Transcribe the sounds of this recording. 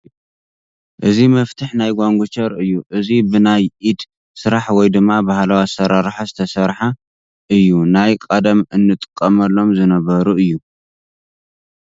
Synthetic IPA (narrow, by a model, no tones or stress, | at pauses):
ʔɨzimɐft̪ʰɨħnajɡʷaŋɡʷut͡ʃʰɐɾɨjːuʔɨzibɨnajʔid̪ | sɨɾaħwɔjd̪ɨmːabahalawasɐɾaɾħazɨt̪ʰɐsɐɾħa | ʔɨjːunajkʼɐd̪ɐmɨnːɨt̪ʼɨ̥kʼːɐmɐlːo̞mzɨnɐβɐɾuɨjːu